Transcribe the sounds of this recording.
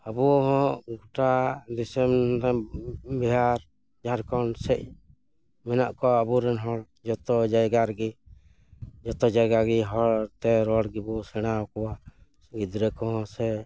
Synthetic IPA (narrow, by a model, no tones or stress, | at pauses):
abuɔɦɔ̃ʔɡuʈad̪isɛm | biɦaɾ | d͡ʒaɾkɔnsɛc̚ | mɛnaʔkɔəbuɾɛnɦɔɽ | d͡ʒɔt̪ɔd͡ʒajɡaɾɡi | d͡ʒɔt̪ɔd͡ʒajɡaɡiɦɔt̪ɛɾɔɽɡibɔsɛɽ̃aɔkɔwa | ɡid̪ɾɛkɔɦɔ̃sɛ